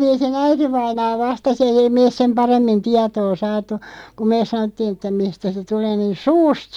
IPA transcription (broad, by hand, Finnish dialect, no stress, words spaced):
ʋiːsin æitiʋɑinɑː ʋɑstɑs eij ei meːs̆ sem pɑremːin tiɑtoː sɑːtˑu ku meːs̆ sɑnotːiːn ĕtːæ mistæ se tuleː niːn̞ suːst